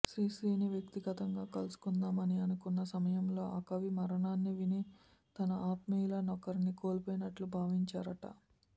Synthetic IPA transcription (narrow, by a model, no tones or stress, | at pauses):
sɾiːsiːniʋjɐk̚t̪iɡɐt̪ɐŋɡaːkɐlusu̥kund̪aːmɐniɐnukunːɐsɐmɐjɐmlo̞ːʔɐkɐʋimɐɾɐɳaːnːiʋini | t̪ɐnɐʔaːt̪mɐjulɐnɔkɐɾinikoːlpoːjinɐʈlubʱaːʋiɲt͡ʃaːɾɐʈɐ̰